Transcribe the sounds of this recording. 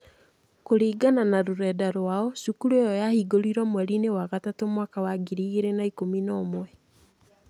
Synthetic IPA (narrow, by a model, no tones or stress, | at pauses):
koɾiːɡananaɾoɾɛdaɾwaɔsukuɾejɔjahiɡoɾiɾɔmwɛɾinewaɣatatomwakawaɡiɾiɣeɾenaikominɔmoɛ